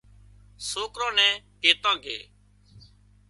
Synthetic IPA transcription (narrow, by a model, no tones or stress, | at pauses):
soːkɾõːnɛ̃ːkeːt̪ãːɡʱḛː